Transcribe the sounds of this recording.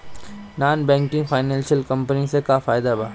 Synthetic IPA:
naːnbɛ̃ːŋkɪ̃ŋɡfaːɪnɛ̃ːnʃəlkɐ̃mpənisekafaːɪd̪abʱaː

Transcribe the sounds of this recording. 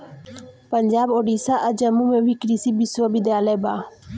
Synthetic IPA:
pəɲd͡ʒaːboːɖisaʔəd͡ʒəmumẽʋikɾisibiswəbid̪jaːlɛbaː

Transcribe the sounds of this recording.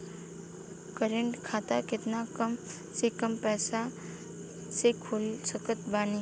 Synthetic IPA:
kəɾẽɳʈkʰaːt̪akɪt̪nakəm | sekəmpɛːsa | sekʰoːlsəkət̪baːni

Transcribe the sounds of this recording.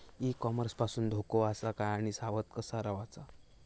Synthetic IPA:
ikɔməɾspasuːnd̪ʱokoasakajaɽ̃isaʋət̪kəsaɾaʋat͡sa

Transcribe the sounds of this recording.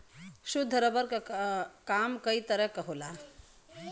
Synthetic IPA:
ɕud̪ʱːəɾəbəɾkkamkəit̪əɾɛkəɦula

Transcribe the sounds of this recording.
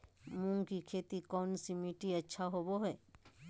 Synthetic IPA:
mũŋkikʰet̪ikɔnsimiʈietːʃʰaɦoboɦɔe

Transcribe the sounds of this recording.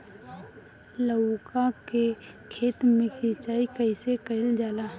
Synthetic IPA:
ləkake | kʰeːt̪mẽkit͡ʃaːikəɪsekəɪld͡ʒaːlaː

